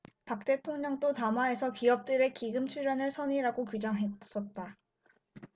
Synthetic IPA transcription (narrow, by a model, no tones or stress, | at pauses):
pak̚t͈e̞tʰoŋɲʌŋt͈otamwae̞sʰʌkiʌp̚t͈ɯɾe̞kiɡɯmt͡ɕʰuɭɾjʌnɯɭsʰʌniɾaɡokud͡ʑʌŋɦes͈ʌt̚t͈a